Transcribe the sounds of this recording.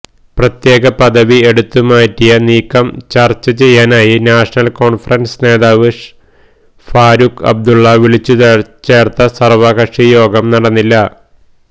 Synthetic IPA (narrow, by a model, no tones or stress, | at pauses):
prɐt̪je̞ːɡɐpɐðɐʋie̞ɽut̪ːumaːjtːijɐniːkːɐmt͡ɕɐrt͡ɕːɐt͡ɕe̞jːaːnaːjinaːʂɐnɐlko̞ːɳfɐrɐnsne̞ːðaːʋɨʂ | faːɾukɐ̰b̚d̪uɭːɐʋiɭit͡ɕːut͡ɕe̞ːrt̪ɐsɐrʋɐɣɐʂijo̞ːɡɐmnɐɽɐnːilːɐ